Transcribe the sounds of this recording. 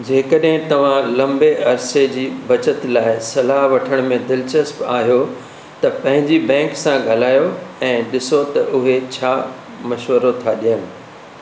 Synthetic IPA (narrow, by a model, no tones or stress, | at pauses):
d͡ʑeːkɐɗɦɪ̃t̪ɐʋ̤ãlɐ̃mbeʔɐɾsed͡ʑiːbɐt͡ɕət̪laːɪsɐlaɦʋɐʈʰəɽ̃mẽd̪ɪlt͡ɕəspaːɦijo | t̪ɐpɐ̃ɦɪ̃ɲd͡ʑibɛ̃ːŋksãɡʱɐlaːjoɛ̃ːɗɪsot̪ɐʔʊɦet͡ɕʰaː | mɐʃʋəɾot̪ʰaɗijənɪ̆